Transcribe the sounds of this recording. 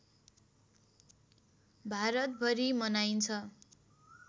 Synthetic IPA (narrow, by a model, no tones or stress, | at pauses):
bʱaɾʌt̪̚bʱʌɾimʌnajnt͡sʰʌ